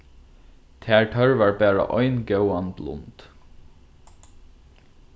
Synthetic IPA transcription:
t̪ʰæːɹʈʰœɹʋəɹbæːɹə̰ʔɔʏnɡœʊɑnd̪lʊ̰nd̪̥

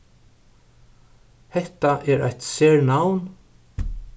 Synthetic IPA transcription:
hɛht̪aʔɛɾa̰jt̪sɛːɹnawn

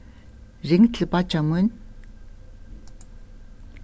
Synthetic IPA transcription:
reŋt̪ɮpat͡ɕʰamun

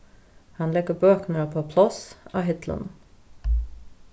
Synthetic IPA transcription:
hɑnlɛɡəbøːknəəpʰoːpʰlɑsɑ̰ːɦɪt̪ʰlə̰n

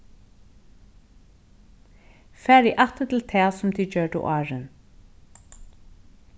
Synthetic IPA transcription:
fæːɾiːʔat̪ət̪ʰɪlt̪ʰɛːsʊmt̪ʰit͡ɕøːʈə̰ʔɑːɹən

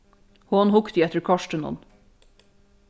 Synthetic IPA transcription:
hoːnhʊkt̪iːɛt̪əɹkʰɑʃʈənɔ̰n

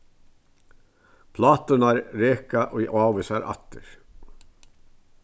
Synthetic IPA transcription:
pʰlɑːt̪ənɑɾɾeːkɑʔoiʔɑːʋəsɑɾʔɑ̰t̪əɾ

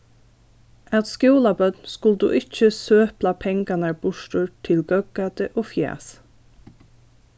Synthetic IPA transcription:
æt̪skjuːlɑbœd̪n̩skʊld̪ʉ̰ːʔɪc͡çəsøːplɑpʰɛŋɡɑnəb̥ʊʃʈuːtʰɪlɡœɡ̚ɡɑːt̪əʔoːfjæ̰ːs

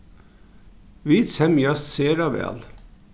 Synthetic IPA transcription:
ʋid̪shɛmjɑsseːɾɑʋɛ̰l

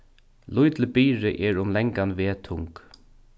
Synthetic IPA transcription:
lʊjt̪ləbiːɹɪʔɛɹʊmlɛŋkanʋeːt̪ʰʊŋk

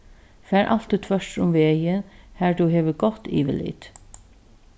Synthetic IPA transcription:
fæːɹʔa̰l̥t̪ɪt̪ʰvœʂtʊmʋeːjɪnhæɹt̪uɦeːʋəɡɔht̪ːḭːʋɪlḭːt̪

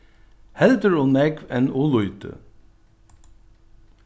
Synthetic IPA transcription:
hɛld̪əɹoːnɛɡʋɛnolʊʏt̪ʰə̰

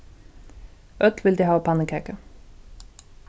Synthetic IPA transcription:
ʔœt̪ʋɪld̪iːhɑːoːpʰɑnəkʰeːkə

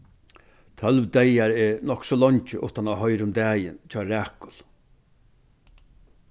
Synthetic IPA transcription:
t̪ʰœlʋd̪ɛjaɾɛnɔhksɔːlɔɲt͡ʃəʔʊht̪anaɦɔjɾʊmd̪æːjɪ̰nt͡ʃʰɔːɾæːkʊl

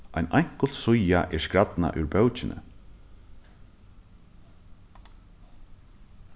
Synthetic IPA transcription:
ajnajŋ̥kəl̥t̪sʊjaʔɛ̥skɾat̪na̰ʔʉɾbœwt͡ʃɪnə̰

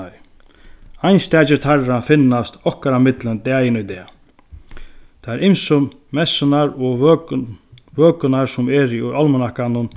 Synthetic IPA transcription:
ajnst̪ɛːt͡ɕɪɾt̪ʰarafɪnːast̪ɔhkaɾamɪt̪lənt̪ɛːjɪnʊjt̪ɛː | t̪ʰaɛɾɪmsʊm | mɛsɪnaɾɔ | vøːkənaɾsʊmɛɾiualmənahkanʊn

